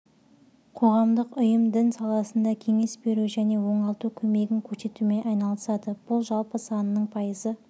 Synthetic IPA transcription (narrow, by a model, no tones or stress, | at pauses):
qʰo̞ʁɑmd̪əqʊjəmd̪ɪnsɑlˠɑsənd̪ɑkʲʰe̞ŋe̞sbe̞ɾuʒæne̞wo̞ɴɑlˠt̪ukʲʰɵme̞ɡʲɪŋkʲʰɵɾse̞t̪ume̞ʔɑjnɑlˠəsɑd̪əb̥ʊlˠʒɑlˠpəsɑnəːəɴpʰɑjəzə